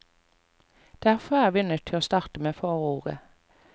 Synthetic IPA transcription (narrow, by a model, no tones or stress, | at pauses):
d̪̥eææːʁfɔʁæːʁʋɪːʏnət̪ʰɪloːst̪ɑːʁt̪əmeːfoːʁuːʁə̰